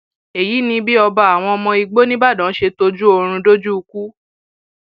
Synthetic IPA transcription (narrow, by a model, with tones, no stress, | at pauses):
e˨ji˨˦nĩ˧bi˦ɔ˧ba˧a˨w̃ɔ̃˧ɔ˧mɔ̃˧i˧ɡ͡bo˦nĩ˦ba˦˨dã˨˦ʃe˧to˧d͡ʒu˦o˧ɾ̃ũ˧do˦d͡ʒu˦u˧ku˦